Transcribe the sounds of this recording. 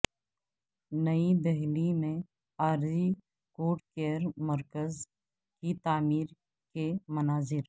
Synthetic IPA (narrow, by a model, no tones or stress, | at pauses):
nəid̪ɛɦlimẽ | aːɾzi | koːʈkeəɾməɾkəz | kit̪aːmiːɾ | kemɐnaːzɪɾ